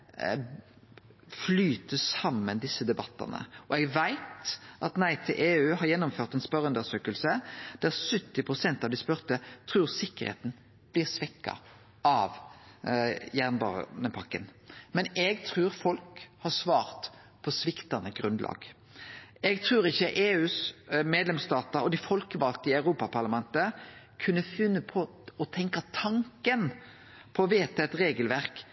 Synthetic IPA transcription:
flyːt̪əsɑmːənd̪ɪsːəd̪ɛbɑt̪ːɑ̰nə̰ɔɛɡʋæɪt̪ʔɑt̪næɪt̪ʰɪʔeːʉːɦɑɾjɛnːʊmføːʁt̪ɛnspœʁʉnd̪əsøːkəlsəd̪̥æʁsœt̪ːɪpʰʁʊsɛnt̪ɑʋd̪ɪspœʁt̪ət̪ʰɾʉːʁsɪkːəʁhḛːt̪n̩ | b̥lɪːʁsʋɛkːɑ̰ | ɑʋ | jæʁnbɑ̰ːʁ̰nəpʰɑkːənmɛnɛɡt̪ʰʁʉːɾfɔlkhɑsʋɑːʁt̪ | pʰɔsʋɪkt̪ɑnəɡʁʉnd̪lɑ̰ːɡ | ɛɡt̪ʰʁʉːɾɪçːəʔeːʉːsmeːd̪lɛmst̪ɑːt̪əɾɔd̪ɪfɔlkəʋɑlt̪əɪɑʉʁuːpɑpʰɑʁlɑmɛnt̪ə | kʰʉnːəfʏnːəpʰɔ | ɔt̪ʰɛŋkɑt̪ʰɑŋkən | pʰɔʋeːt̪ɑɛt̪ɾeːɡəlʋæʁk

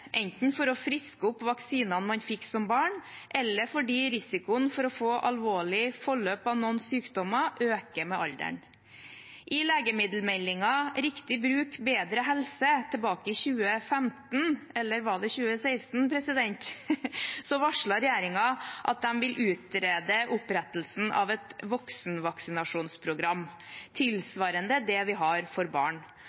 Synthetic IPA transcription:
ʔɛnt̪n̩fɔɾɔfɾɪskəʊpʋɑksiːnɑnmɑnfɪkːsɔmbɑːɳʔɛlːəɾfɔɖiːɾɪsɪkʊənfɔɾɔfoːʔɑlʋoːɭɪfɔɭøːpɑʋnɔnsyːkd̪ɔmɑʔøːkəmɛʔɑld̪ə̰ɳ | ʔɪleːɡəmɪd̪l̩mɛlːɪŋɑɾɪkt̪ɪbɾʉːkbeːd̪ɾəɦɛlsət̪ʰɛlbɑːkəɪçʉːəfɛmt̪nɛlːəɾʋɑɖ̪ɛçʉːəseɪst̪n̩pʰɾɛsɪd̪ɛnt̪ | sɔʋɑʂɭɑɾɛjeːɾɪŋɑʔɑ̰t̪̚d̪ɛmʋɪlʔʉːt̪ɾeːd̪əʔʊpɾɛt̪l̩sn̩ʔɑ̰ʋɛt̪ʋɔksnʋɑksɪnɑʂuːnspʰɾʊɡɾɑm | t̪ʰɪlsʋɑːɾənd̪əd̪ɛʋɪɦɑɾfɔɾbɑ̰ːɳ

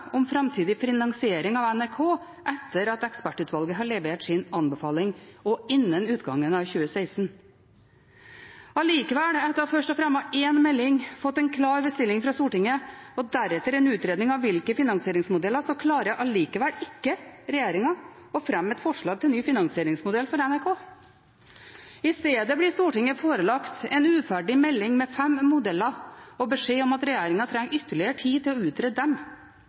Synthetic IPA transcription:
ɔmfɾɑmt̪ʰiːd̪ɪfɪnɑŋsɪeːɾɪŋɑʋɛnæɾkʰoː | ʔɛt̪ːəɾɑt̪ɛkspæʈːʉːt̪ʋɑlɡəɦɑɭɛʋeːʈsɪnɑnbɛfɑːlɪŋɔɪnːənʉːt̪ɡɑŋːənɑʋçʉːəseɪsn | ɑliːkəʋɛlɛt̪ːɑʋfœʂʈɔfɾɛmːɑʔeːnmɛlːɪŋfɔt̪ːɛɪnkʰlɑːɾbəst̪ɪlːɪŋfɾɑst̪uːʈɪŋːəɔd̪æɾɛt̪ːəɾɛnʉːt̪ɾeːd̪ɪŋɑʋʋɪlkəfɪnɑŋsɪeːɾɪŋsmʊd̪ɛlːəʂɔkʰlɑːɾəʔɑliːkəʋɛlɪkːəɾɛjeːɾɪŋɑ | ɔfɾɛmɛt̪fɔʂɭɑːɡ̚t̪ʰɪlnyːfɪnɑŋsɪeːɾɪŋsmʊd̪ɛlfɔɾɛnæɾkʰoː | ɪst̪eːd̪əblɪst̪uːʈɪŋːəfoːɾəlɑkt̪ɛnʉːfæɖɪmɛlːɪŋmɛfɛmːʊd̪ɛlːɑɾɔbəʂeːɔmɑt̪ɾɛjeːɾɪŋɑt̪ʰɾɛŋːʏt̪ːəɭɪəəʈʰiːt̪ʰɪlɔʉːt̪ɾeːd̪̚d̪ɛm

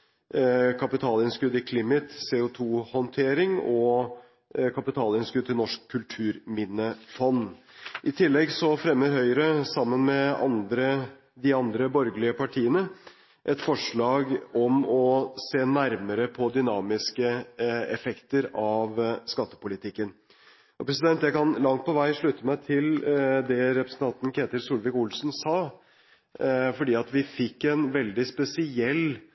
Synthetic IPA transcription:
kʰɑpɪt̪ʰɑːlɪnskʉd̪ɪkʰlɪmɪt̪seːʊt̪ʰuːhɔnt̪ʰeːɾɪŋɔ | kʰɑpɪt̪ʰɑːlɪnskʉd̪̚t̪ʰɪlnɔʂkʰːʉlt̪ʰʉːɾmɪnːəfɔnː | ʔɪt̪ʰɪlːɛɡsɔfɾɛmːəɾɦœʏəɾəsɑmːənmɛɑ̰nd̪ɾə | d̪ɪɑnd̪ɾəbɔɾɡəlɪəpʰɑʈʰiːənə | ʔɛt̪fɔʂɭɑːɡɔmɔseːnæɾməɾəpʰɔd̪ʏnɑːmɪskəɛfɛkt̪əɾɑʋskɑt̪ːə̥pʊlɪt̪ʰɪkːən | ɔpʰɾɛs̬ɪd̪ɛnt̪jæɪkʰɑnlɑŋt̪̚pʰɔʋæɪʂɭʉt̪ːəmæɪt̪ʰɪld̪ɛɾɛpɾəsn̩t̪ʰɑnt̪n̩kʰeːt̪əɾsuːlʋɪkʊlsn̩sɑː | fɔɖiːɑt̪ʋɪfɪkːɛnʋɛld̪ɪspɛsɪɛlː

